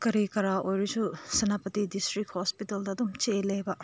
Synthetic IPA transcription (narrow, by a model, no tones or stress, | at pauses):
kɐɾikɐɾaʔojɾisusɐnapɐt̪idistɾikhospitɐldɐːdumt͡ʃelejbɐ